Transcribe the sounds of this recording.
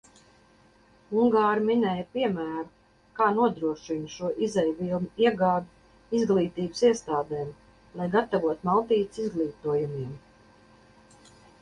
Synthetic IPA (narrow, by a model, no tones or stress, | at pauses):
uŋɡaːɾminɛjpiɛmæːɾu | kaːnuɔd̪ɾuɔʃinʃuɔʔizɛjvilˠnuiɛɡaːd̪u | izɡlˠiːt̪iːbɨsiɛst̪aːd̪ɛːm | lˠajɡat̪avuɔt̪malˠt̪iːt̪sizɡlˠiːt̪uɔjumiɛm